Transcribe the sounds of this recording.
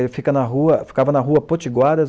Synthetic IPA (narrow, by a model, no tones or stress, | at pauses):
fikɐnɐɦuɐfi̥kavɐnɐɦuɐpot͡ʃiɡwad̪ɐ